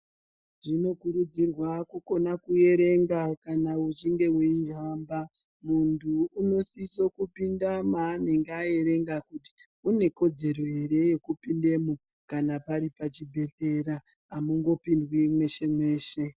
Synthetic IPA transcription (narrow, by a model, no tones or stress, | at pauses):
ʐino̞kuɾud͡zirwakuko̞nakuje̞ɾe̞ŋɡakanaut͡ʃiŋɡe̞weiɦaːmba | muntʰuːno̞siso̞kupindamaːne̞ŋɡeaje̞ɾe̞ŋɡakuti̥ | une̞ko̞d͡ze̞ɾo̞eɾe̞jekupinde̞mo | kanapaɾipat͡ʃibʱe̞te̞ɾaː | muŋɡo̞pindwimwe̞ʃe̞mwe̞ːʃe̞